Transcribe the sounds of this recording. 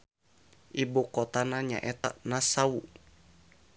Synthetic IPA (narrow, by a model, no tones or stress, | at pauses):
ʔibokɔt̪anaɲa̰ʔɛt̪a̰nasau